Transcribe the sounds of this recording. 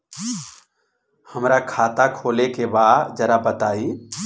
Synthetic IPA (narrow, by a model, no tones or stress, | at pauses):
həmɾakʰaːt̪akʰoːlekebaːd̪d͡ʒəɾabət̪aːi